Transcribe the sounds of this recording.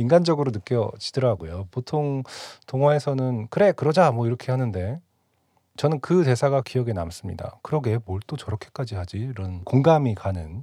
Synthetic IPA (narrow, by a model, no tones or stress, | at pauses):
iŋɡand͡ʑʌɡɯɾonɯk͈jʌt͡ɕidɯɾaɡojopotʰoŋtoŋɦwaesʰʌnɯnkɯɾe̞kɯɾʌd͡ʑamwʌiɾʌkʰe̞hanɯnde̞ | t͡ɕʌnɯnkɯte̞sʰaɡakijʌɡe̞na̰ms͈ɯmɲḭda̰kɯɾʌɡe̞moɭt͈ot͡ɕʌɾʌkʰe̞̥k͈ad͡ʑihad͡ʑiːɾʌnkoŋɡamikanɯn